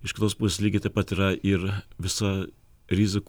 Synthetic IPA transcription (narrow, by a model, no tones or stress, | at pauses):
ɪʃkʲɪt̪oːspʊsʲeːsʲlʲiɡʲɪt̪ɐɪpɐt̪iɾɐʔɪɾʋʲɪsɐ | ɾʲɪzʲɪk